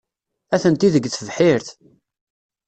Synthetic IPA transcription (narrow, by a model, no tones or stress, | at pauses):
æθənt̪iðəɡːθəvħiɾθ